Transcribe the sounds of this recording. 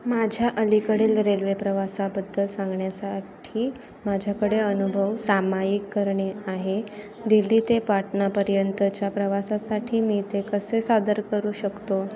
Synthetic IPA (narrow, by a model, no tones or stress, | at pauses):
mad͡ʑʱjaʔəlikəɽeːlɾelʋepɾəʋasabəd̪ʱːəlsãŋɡɳjasaʈʰiː | mad͡ʑʱjakəɽeənubʱəʋsamajikːəɾɳeaɦe | d̪ilːiːt̪epaʈnapəɾjənt̪ət͡ɕjapɾəʋasasaʈʰiːmiːt̪ekəsesad̪əɾkəɾuːɕəkt̪o